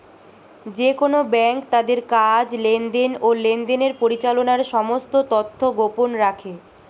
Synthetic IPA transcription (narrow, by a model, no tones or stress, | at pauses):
d͡ʑekonobɛŋkt̪ad̪eɾkad͡ʑlend̪enolend̪eneɾpoɾit͡ɕalonaɾʃɔmost̪ot̪ot̪ʰːoɡoponɾakʰe